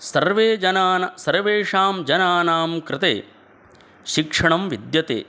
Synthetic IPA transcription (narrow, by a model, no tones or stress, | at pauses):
sɐɾʋeːd͡ʒɐnaːnɐsɐɾʋeːʂaːmd͡ʒɐnaːnaːmkɾɪt̪ḛː | ʃikʂɐɳɐmʋid̪jɐt̪ḛː